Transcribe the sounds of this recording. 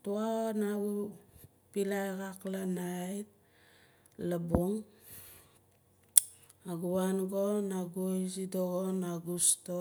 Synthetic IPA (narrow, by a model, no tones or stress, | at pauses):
tuanaɡu | pilajkaklanajt̚ | labuŋ | aɡuwanɡonaɡojsidoɡonaɡusto